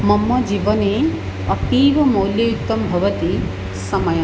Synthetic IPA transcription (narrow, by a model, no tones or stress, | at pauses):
mɐmːɐd͡ʒiːʋɐneː | ɐpiːʋɐmoːljɐjut̪ːɐmbʱɐʋɐt̪i | sɐmɐjɐ